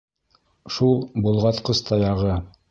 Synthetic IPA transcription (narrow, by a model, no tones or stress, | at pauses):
ʃulˠbulˠʁɑt̪qɤst̪ʰɑjɑʁɤ